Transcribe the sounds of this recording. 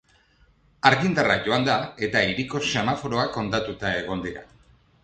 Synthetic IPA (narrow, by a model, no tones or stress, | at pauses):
aɾɣind̪araʝo̞and̪ae̞t̪aiɾiko̞se̞mafoɾo̞ako̞nt̪at̪ut̪ae̞ɣ̞o̞nd̪iɾa̰